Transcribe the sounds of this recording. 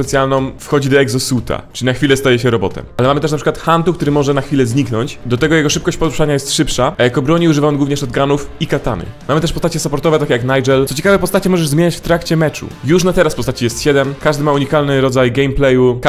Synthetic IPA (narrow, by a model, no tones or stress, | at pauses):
pɛt̪sjalnɔ̃mfxɔd͡ʑid̪ɔɛɡzɔsut̪ʰa̰t͡ʂɘlʲinaxfʲilɛst̪ajɛɕɛɾɔbɔ̰t̪ɛ̰malɛmamɘt̪ɛʂnapʂɨkwat̪xant̪ukt̪uɾɘmɔʐɛnaxfʲilɛzɲiknɔɲt͡ɕd̪ɔt̪ɛɡɔjɛɡɔʂɘp̚kɔɕt͡ɕpɔɾuʂaɲajɛst̪ʂɘpʂaʔajakɔbɾɔɲiuʐɨvajɔnɡuvɲɛʂɔd̪ɡanufikat̪a̰nɘ̰mamɘt̪ɛʂpɔst̪at͡ɕɛsapɔɾt̪ɔvɛt̪akʲejaknajʐɛlɔt͡ɕekavɛpɔst̪at͡ɕɛmɔʐɛʐzmʲeɲat͡ɕft̪ɾakt͡ɕɛmɛt͡ʂṵjuʂnat̪ɛɾaspɔst̪at͡ɕijɛst̪ɕɛd̪ɛmkaʐd̪ɘmauɲikalnɘɾɔd̪zajɡɛjmplɛju